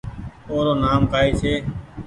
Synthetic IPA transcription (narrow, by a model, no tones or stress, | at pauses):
oːɾoːnaːmkaːiːseː